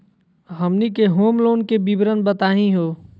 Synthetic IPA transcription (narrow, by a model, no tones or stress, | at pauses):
ɦəmnikeɦoːmloːnkebibɾənbət̪aːɦĩɦoː